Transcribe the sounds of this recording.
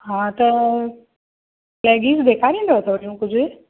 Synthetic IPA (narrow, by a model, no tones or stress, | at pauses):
ɦãːt̪ɐ | lɛːɡiːsbeːkʰaːɾĩːnd̪ot̪ʰoːɾijũkʊd͡ʑʱɪ